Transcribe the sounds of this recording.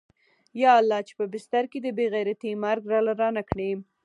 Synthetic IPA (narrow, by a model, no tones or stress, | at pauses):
jɑalːɑt͡ʃe̥pəbɪst̪aɾked̪əbeɣajɾat̪imaɾɡɾɑlaɾɑnakɽem